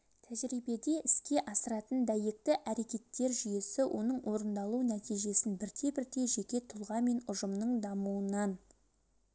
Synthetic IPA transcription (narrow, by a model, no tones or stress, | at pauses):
t̪ʰæʒɾijbe̞d̪e̞ʔɪskʲe̞ʔɑsəɾɑt̪ənd̪æjek̚t̪ɪʔæɾe̞kʲe̞t̪ːe̞ɾʒʏje̞sɪwʔo̞nəɴwʔo̞ɾənd̪ɑlˠunæt̪ijʒe̞sɪnbɪɾt̪ʰe̞bɪɾd̪e̞ʒe̞kʲe̞t̪ʰʊlˠʁɑme̞nʊʒəmnəɴd̪ɑmuənɑn